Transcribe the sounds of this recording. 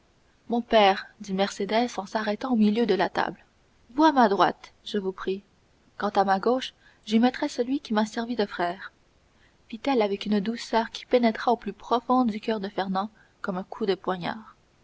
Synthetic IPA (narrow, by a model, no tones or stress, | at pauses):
mɔ̃pɛːʁd̪imɛʁsed̪ɛzɑ̃saʁɛt̪ɑ̃omiljød̪əlat̪a̰bl | vuamad̪ʁwa̰t̪ʒəvupχi | kɑ̃t̪amaɡoʃ | ʒemɛt̪χɛsəlɥikʲimasɛʁvid̪əfχɛːʁ | fit̪ɛlavɛkynd̪usœːʁkʲi̥penɛt̪χaoplypχɔfɔ̃d̪d̪ykʲœʁd̪əfɛʁnɑ̃ | kɔmɛ̃kʰud̪əpwaɲa̰ːʁ